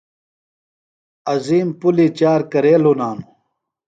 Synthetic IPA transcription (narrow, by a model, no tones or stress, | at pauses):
ɐziːmpulit͡ɕaːɾkɐɾeːlonaːnu